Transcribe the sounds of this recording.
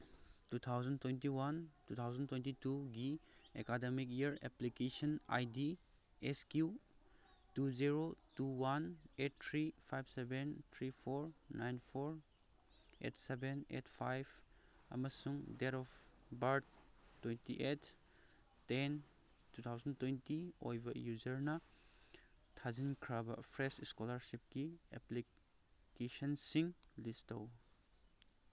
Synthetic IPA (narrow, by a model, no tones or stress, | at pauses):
tut̪ʰawzəntwentiwantut̪ʰawzəntwentituɡiekademikiɾḛplikesɔna̰jdi | eskju | tuziɾotuwanet̚t̪ʰɾipʰajbsebent̪ʰɾipʰɔɾnajnpʰɔɾ | ḛtsebenḛtpʰajb | ɐ̰mɐsuŋdeɾɔfbaɾdtːwentḭʔetː | en | tut̪ʰawzɐntwentio̰jbʱɐjuzɐɾnɐ | tʰazinkʰɾabɐ̰pʰɾesiskolɐɾsip̚kiḛpli | kesɐnsiŋlistɐw